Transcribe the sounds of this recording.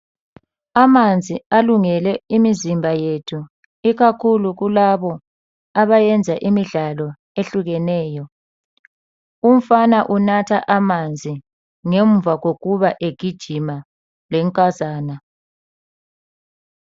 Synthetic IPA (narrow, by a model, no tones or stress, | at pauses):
amand͡zʱialuŋɛlɛimizimbʱajetʰu | iɣakʰuluɣulaβɔ | aβajɛnd͡zʱaʔimiɮalɔ | eɬuɣɛnɛːjɔ | um̩fanaʔunatʰaʔamand͡zʱi | ŋeɱvʱaɣoɣuβaʔeɡ̥ʱid̥ʒ̥ʱima | lɛŋkʼazaːna